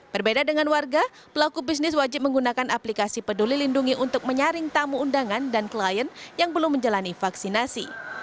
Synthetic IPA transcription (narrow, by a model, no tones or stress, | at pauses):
b̥ərbedadəŋanwarɡa | pəlakubisnɪs̬wad͡ʒɪp̚məŋɡunakanaplikasipədulilinduŋiʔunt̪ʊk̚məɲaɾɪŋt̪amuːndaŋandanklajənjaŋbəlʊmːəɲd͡ʒalanifaksinasḭ